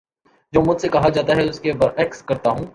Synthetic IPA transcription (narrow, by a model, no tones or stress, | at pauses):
d͡ʒoːmʊd͡ʒsekɐɦad͡ʒaːt̪aɦɛʊskebɐɾɛːkskɐɾt̪aɦũː